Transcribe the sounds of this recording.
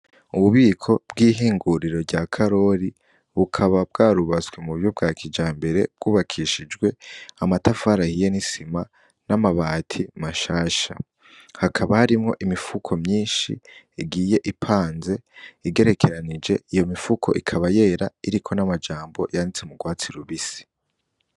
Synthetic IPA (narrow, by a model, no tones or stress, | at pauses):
uβuβiːkʰo̞b̚ɡiːɦiːŋɡuɾiɾo̞ɾɟakʰaɾo̞ɾi | βukʰaβab̚ɡaːɾuβazwemuβjob̚ɡaːkʰid͡ʒaːmbe̞ɾe̞b̥̚ɡuːβakʰiʃid͡ʒɡwe̞amatafaːɾahije̞nisima | namaβaːtʰimaʃaːʃa̰ | hakʰaβahaɾimŋo̞̰ʔimifukʰo̞mɲiːnʃḭ | iɡiːje̞ʔipʰaːnze̞iɡe̞ɾe̞kʰe̞ɾanid͡ʒe̞ijo̞mifukʰo̞̰ʔikʰaβaje̞ɾaiɾikʰo̞namad͡ʒaːmbo̞̰janit͡semuɡwaːt͡siɾuβisi̥